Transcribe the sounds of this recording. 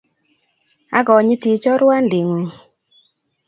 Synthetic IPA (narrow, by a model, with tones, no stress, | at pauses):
a̰˦ɡɔ˨ɲi˦ti˨t͡ʃɔ˦ɾwa˦ndɪ˨ŋo˨